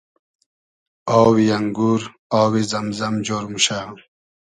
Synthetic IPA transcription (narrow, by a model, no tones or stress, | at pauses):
ɔːwijɐŋɡuːɾ | aːwizɐmzɐmd͡ʑoːɾmuɕa